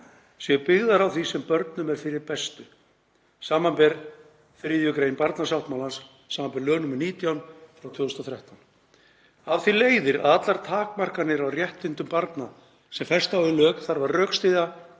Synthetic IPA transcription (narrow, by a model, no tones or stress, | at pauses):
sjɛpɪɣðaɾawθisɛmpœɾt̪nʏmɛɾ̥fɪɾɪɾpɛst̪ʏ | saːmampɛɾ | fɾɪðjʏkɾeːjɪnpaɾt̪nasawht̪mawlansː | aːmampɛɾlœːnʏmʏɾniːt̪jawnfɾawt̪ʰvʏːɣʏst̪ɔθɾɛht̪awn | avθileːjðɪɾa̰ðat̪laɾ̥t̪ʰaːkmar̥kanɪɾawrjɛht̪ɪnt̪ʏmpaɾt̪na | sɛmfɛr̥st̪awɪlœːkθaɾvarrœːkst̪iða